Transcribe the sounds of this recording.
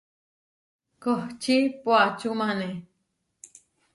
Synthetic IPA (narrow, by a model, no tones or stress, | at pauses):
koht͡ʃipwat͡ʃumane